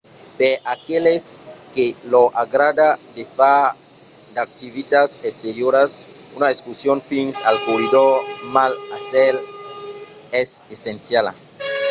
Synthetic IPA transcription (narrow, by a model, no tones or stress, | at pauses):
peʔakeleskeloʔaɣɾad̪ad̪efa | d̪ak̚t̪iβit̪asest̪eɾjoɾas | unaeskusjonfinsalkorid̪oɾmalasel | esesensjala̰